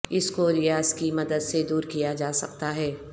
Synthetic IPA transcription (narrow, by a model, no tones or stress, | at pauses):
ɪskoɾɪjaːzkimɐd̪əd̪sed̪uːɾkijad͡ʒaːsɐ̰kt̪aɦɛː